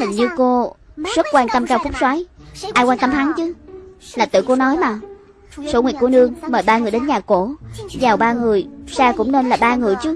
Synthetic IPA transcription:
t̪ɨ˨˩ŋ̟ɲɨ˧ko˧zə˦˥t̚kwaː˧nt̪ə˧mkaː˧wfʊ˦˥k͡p̚swaː˨˦jʔaː˧jkwaː˧nt̪ə˧mt̪ʰa˨˦ŋt͡ɕɨ˨˦laː˨˩t̪ɨ̰˧˨ko˧nɔ˨˦jmaː˨˩ | so˧˦ŋwḭ˧˩k̚ku˧˩nɨ˧əŋməː˨˩jɓaː˧ŋɨ˨˩əjɗe˨˦nɲaː˨˩ko˧˩˨zaː˨˩wɓaː˧ŋɨ˨˩əjsaː˧kʊ̰˧˥ŋ͡mne˧nlaː˨˩ɓaː˧ŋɨ˨˩əjt͡ɕɨ˨˦

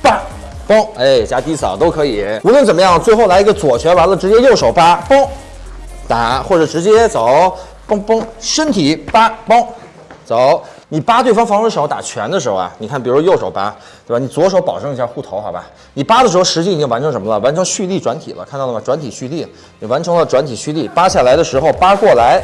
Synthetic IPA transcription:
pa˥˩ | pɑ˥ŋe˥˩ɪt͡ɕja˥t̪i˥˩sɑ˨˩ʊt̪o˥ʊkʰɤ˧˥i˨˩˦u˧˥lwə˥˩nt͡sə˨˩nmə˦jɑ˥˩ŋt͡swe˥˧ɪxo˥˩ʊla˧˥i˧˥ɡə˧t͡swɔ˨˩t͡ɕʰɥɛ˧˥wa˧˥nlə˧ʈ͡ʂɻ̩˧˥t͡ɕjɛ˥jo˥˩ʊʂo˨˩ʊpa˥pɑ˥ŋ | t̪a˧˩˥xwɔ˥˩ʈ͡ʂ̩˨˩ʈ͡ʂɻ̩˧˥t͡ɕjɛ˥t͡so˨˩˦ʊ | pɑ˥ŋpɑ˥ŋʂə˥nt̪ʰi˨˩˥pa˥pɑ˥ŋ | t͡so˨˩˦ʊni˨˩pa˥t̪we˥˩ɪfɑ˥ŋfɑ˧˥ŋʂə˥ʂ̩˧˥˩t̪a̰˨˩t͡ɕʰɥɛ̰˧˥nd̪ə˧ʂɻ̩˧˥xo̰˧a̰˩ni˨˩kʰa˥˩npi˨˩u˧˥ʂwjo˥˩ʊʂo˨˩ʊpa̰˥ | t̪e˥˩ba˩ni˨˩t͡swɔ˧˥ʂ̬o˧˥ʊpɑ˨˩ʊʈ͡ʂɤ˥˧ŋi˧˥ɕja˥˧xu˥˩t̪ʰo˧˥ʊxa˧˥ba̰˧˩ | ni˨˩pa˥d̪ə˨ʂɻ̩˧˥xo˧ʊʂɻ̩˧˥t͡ɕi˥˩˨t͡ɕi˥ŋwa˧˥nʈ͡ʂʰɤ˧˥ŋʂ̬ə˧˥mə˧lə˧˨wa˧˥nʈ͡ʂʰɤ˧˥ŋɕy˥˧li˥˩ʈ͡ʂwa˧˥nt̪ʰḭ˨˩lə̰˦kʰa˥˧t̪ɑ˥˧˩ə˩mɐ˩ʈ͡ʂwa˧˥nt̪ʰi˨˩ɕy˥˧li˥˩ | ni˨˩wa˧˥nʈ͡ʂʰɤ˧˥ŋlə˧ʈ͡ʂwa˧˥nt̪ʰi˨˩ɕy˥˧li˥˩pa˥ɕja˥˩la˧˥ɪd̪ə˧ʂɻ̩˧˥xo˧ʊpa˥kwɔ˥˩la˧˥ɪ

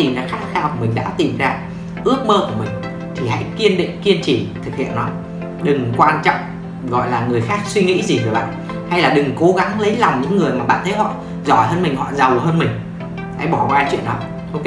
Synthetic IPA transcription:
i˨˩mzaː˧xaː˦˥k̚xʰaː˧wʰmï˨˩ŋ̟ɗa̰ː˧˥t̪i˨˩mzaː˧ | ʔɨ˦˥ək̚məː˧ku˧˩mï˨˩ŋ̟ | t̪ʰi˨˩ha̰˧˥jki˧ənɗḭ˧˨ŋki˧ənt͡ɕi˧˩t̪ʰɨ˨˩k̚hḭ˧˨ənːɔ˨˦ | ɗɨ˨˩ŋkwaː˧nt͡ɕɔ̰˧˨wŋ͡m | ɣɔ̰˧˨jlaː˨˩ŋɨ˨˩əjxaː˦˥k̚swi˧ŋḭ˧˥zi˨˩kɨ˧˩ɓa̰ː˧˨n | ha˧jlaː˨˩ɗɨ˨˩ŋko˨˦ɣa˨˦ŋlə˨˦jla˨˩wŋ͡mɲɨ̰˧˥ŋːɨ˨˩əjmaː˨˩ɓa̰ː˧˨t̪ʰə˨˦jɦɔ̰˧˨ | zɔ˧˩jhəː˧nmï˨˩ŋ̟hɔ̰˧˨za˨˩whəː˧nmï˨˩ŋ̟ | ha̰˧˥jɓɔ˧˩kwaː˧˦t͡ɕwḭ˧˨ənɗɔ˨˦ | ʔo˧wk

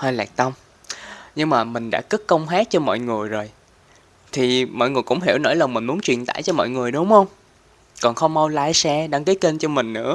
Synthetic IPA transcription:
həː˧jlɛ̰ː˨˩k̚t̪ə˧wŋ͡m | ɲɨ˧ŋmaː˨˩mï˨˩ŋ̟ɗa̰ː˧˥kɨ˦˥t̚kə˧wŋ͡mhaː˦˥t̚t͡ɕɔ˧mɔ̰ː˧˨jŋɨ˨˩əjzo˨˩j | t̪ʰi˨˩mɔ̰˧˨jŋɨ˨˩jkʊ̰˧˥ŋ͡mɦḭ˧˩wnɔ̰˧˥˦jlaː˨˩mï˨˩ŋ̟mu˨˦ənt͡ɕwi˨˩ənt̪a̰ː˧˩jt͡ɕɔ˧mɔ̰ː˧˨jŋɨ˨˩əjɗʊ˨˦wŋ͡mhə˧wŋ͡m | kɔ˨˩nxə˧wŋ͡mmə˧wlaː˧jsɛ˧ɗaː˧ŋkəː˨˦ke˧nt͡ɕɔ˧mï˨˩ŋ̟nɨ̰˧˥ə

